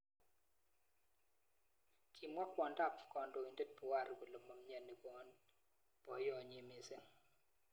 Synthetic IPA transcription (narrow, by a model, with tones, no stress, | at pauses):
kʰi˨mwa˦kwɔ˨nda˦˨pkɔ˨ndo˨i˨nde˦t̚pɔ˨wa˦˨ɾɡo˨lo˨mɔ˨m˦ɲɛ˨nːi˨kɔ˨˦n | pɔ˨jɔ˨ɲe˨mi˦se˦ŋ